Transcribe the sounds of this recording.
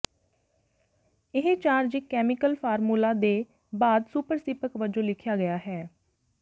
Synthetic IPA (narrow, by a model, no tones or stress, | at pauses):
ɪɦẽt͡ʃaːɾd͡ʒɪkɛːmɪkəlpʰaːɾmuːlaːd̪eː | baːd̪suːpəɾsɪpəkʋəd͡ʒõːlɪkʰjaːɡəjaːɦɛː